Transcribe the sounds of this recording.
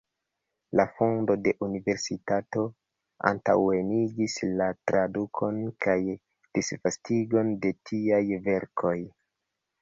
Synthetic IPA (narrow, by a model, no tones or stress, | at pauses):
lafondo̞de̞ʔunive̞ɾsitato̞ | a̰ntawe̞niɡislatɾadukʰo̞nkaj | d̥isvastiɡo̞nde̞tʰiajve̞ɾkʰo̞j